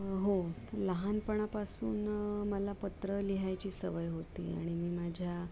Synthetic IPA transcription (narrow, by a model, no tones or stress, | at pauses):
ɦoələɦanpəɳ̃apasuːnməlapət̪ɾəliɦajt͡ɕiːsəʋəjɦot̪ḭːa̰ɽ̃imiːmad͡ʑʱja